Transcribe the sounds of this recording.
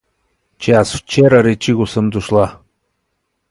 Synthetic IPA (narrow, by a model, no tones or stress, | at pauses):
t͡ʃasft͡ʃeɾaɾet͡ʃiɡosəmd̪uʃlˠa